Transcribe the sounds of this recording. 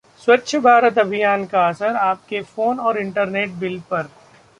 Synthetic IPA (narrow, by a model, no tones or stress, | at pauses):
swɐtːʃʰəbʱaːɾət̪ɐbʱijaːnkaɐsəɾaːp̚kefoːnɔːɾɪ̃ɳʈəɾneːʈ̚bɪlpɐɾ